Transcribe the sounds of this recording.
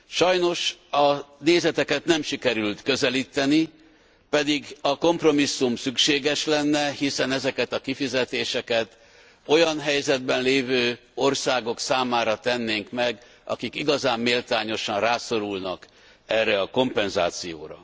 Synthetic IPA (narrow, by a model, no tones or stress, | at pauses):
ʃɒjno̞ʃɒneːzɛt̪ɛkɛt̪nɛmʃikɛɾylt̪kø̞zɛliːt̪ːɛni | pɛd̪iɡɒko̞mpro̞misːumsykʃeːɡɛʃlɛnːɛhisɛnɛzɛkɛt̪ɒkifizɛt̪eːʃɛkɛt̪ | o̞jɒnɦɛjzɛd̪̚bɛnleːvøː | o̞rsaːɡo̞ksaːmaːɾɒt̪ɛnːeːŋkmɛɡ | ʔɒ̰kikiɡɒzaːmːeːlt̪aːɲo̞ʃɒnraːso̞ɾulnɒk | ɛrːɛɒko̞mpɛnza̰ːt̪sijo̰ːɾɒ̰